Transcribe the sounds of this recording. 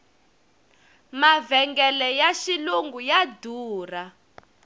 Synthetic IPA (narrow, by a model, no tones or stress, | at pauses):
mavɛŋɡɛlɛjaʃiluŋɡujaduːra